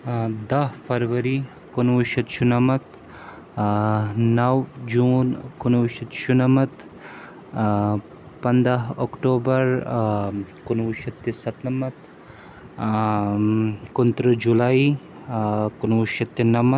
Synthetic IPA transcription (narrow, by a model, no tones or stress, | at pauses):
d̪ɐɦfʰɐɾʋɐɾi | kunwuʃɐt̪ʃunɐmɐt̪ | nɐwd͡ʒuːnkunwuʃɐt̪ʃunɐmɐt̪ | pɐnd̪aɦokʈoːbɐɾ | kunwuʃɐt̪ːesɐt̪nɐmɐt̪ | kunt̪ɾəd͡ʒulai | kunwuʃɐt̪ːenɐmɐ